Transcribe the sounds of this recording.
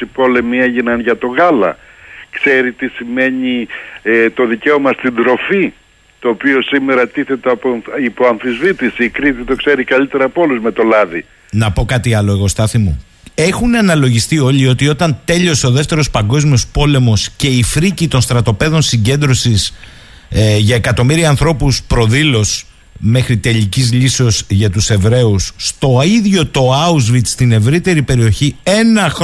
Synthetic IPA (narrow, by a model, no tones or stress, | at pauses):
ipo̞le̞mieʝinɐnʝɐt̪o̞ɣɐlɐ̰ | kse̞ɾit̪isime̞ɲi | t̪o̞ðice̞o̞mɐst̪ind̪ɾo̞fi | t̪o̞ːpio̞sime̞ɾɐt̪iθe̞t̪eɐpoipoɐɱfizvit̪isiːkɾit̪it̪o̞kse̞ɾikɐʎit̪e̞ɾɐpoluzme̞t̪o̞lɐði | nɐpo̞kɐt̪iɐlo̞eɣo̞st̪ɐθimu | e̞xunɐnɐlo̞ʝist̪io̞ʎio̞t̪io̞t̪ɐnt̪e̞ʎo̞so̞ðe̞ft̪e̞ɾo̞spɐŋɡo̞zmio̞spo̞le̞mo̞sce̞ifɾicit̪o̞nst̪ɾɐt̪o̞pe̞ðo̞nsiɲɟe̞nd̪ɾo̞sis | ʝɐe̞kɐt̪o̞miɾiɐɐnθɾo̞puspɾo̞ðilo̞s | me̞xɾit̪e̞ʎicizʎiseo̞sʝɐt̪use̞vɾe̞usːt̪o̞iðʝo̞t̪o̞ɐuzvit̪st̪ine̞vɾit̪e̞ɾipe̞ɾio̞çie̞nɐx